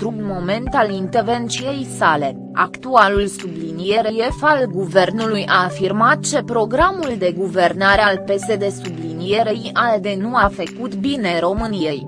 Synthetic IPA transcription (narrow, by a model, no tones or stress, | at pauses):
t̪ɾunmo̞me̞nt̪alint̪erve̞nt͡ʃije̞jsale̞ | a̰kt̪ualulsublinije̞ɾeje̞falɡuve̞rnulujaːfirmat̪̚t͡ʃe̞pɾo̞ɡɾamuld̪e̞ɡuve̞rnaɾe̞alpe̞se̞d̪e̞sublinije̞ɾe̞jald̪e̞nuafəkut̪bine̞ɾo̞mɨnijej